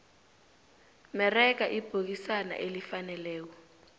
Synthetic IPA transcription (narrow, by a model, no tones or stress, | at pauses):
mɛrɛk̬aʔib̥ʱok̬isana̰ʔelifanɛlɛːk̬ɔ